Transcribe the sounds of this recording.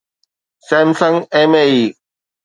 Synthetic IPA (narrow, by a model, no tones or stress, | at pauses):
sẽːmsə̃ŋɡẽːmeiː